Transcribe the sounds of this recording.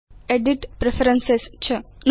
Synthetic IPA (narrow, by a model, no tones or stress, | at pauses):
eɖiʈpɾefʰɐɾɐnsest͡ʃʰɨn